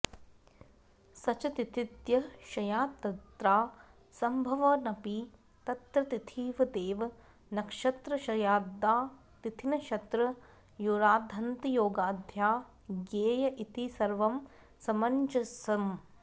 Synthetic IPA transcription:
sɐt͡ʃɐt̪it̪ʰit̪jɐʃɐjaːt̪ɐt̪ɾaː | sɐmbʱɐʋɐnɐpi | t̪ɐt̪ɾɐt̪it̪ʰiːʋɐd̪eːʋɐ | nɐkʂɐt̪ɾɐʃɐjaːd̪ːaː | t̪it̪ʰinɐʃɐt̪ɾɐ | juːɾaːd̪ʱɐnt̪ɐjoːɡaːd̪ʱjaː | ɡeːjɐʔit̪isɐɾʋɐm | sɐmɐɲt͡ʃɐsɐm

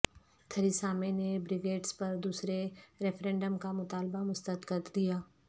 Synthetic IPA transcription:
t̪ʰɐɾisaːmenebɾɪɡeːʈspɐɾd̪uːsɾeɾɛfʰɾẽːɳɖəmkamʊt̪aːlbamʊst̪ət̪kət̪d̪ijaː

